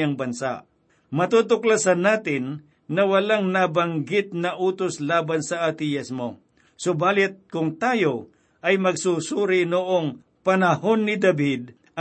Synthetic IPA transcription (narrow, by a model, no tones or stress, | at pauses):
ɐŋbɐnsa̰ʔ | mɐt̪uːt̪ʊklasɐnaːt̪ɪnː | ɐwɐlaŋnabɐŋɡɪt̪̚nɐʔuːt̪oslaːbɐnsɐat̪ijasmo | sobaːlɪt̪̚kʊŋt̪aːjo | ʔɐjmɐɡsusuːɾɪnʊʔoŋ | pɐnɐho̞nːɪd̪ɐbɪd̪̚ | ʔ